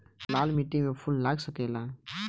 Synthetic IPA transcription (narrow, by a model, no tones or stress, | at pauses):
laːlmiʈĩŋmẽpʰʊllaːɡsəkelaː